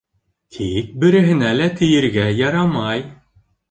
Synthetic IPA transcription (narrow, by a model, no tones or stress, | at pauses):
kʰijk̚bɘ̆ɾɘ̆ɦɘ̆nælæt̪ʰɘ̆jɘ̆ɾɡæjɑɾɑmɑj